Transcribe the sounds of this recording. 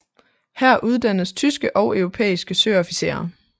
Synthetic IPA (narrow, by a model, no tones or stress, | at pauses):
hæɐ̰ʔuð̞ˠd̥ænðst͡sʰysɡ̥əʔɒ̽ʊœʊʁo̝pʰḛːisɡ̥əsøːɒ̽fise̝̰ːɐ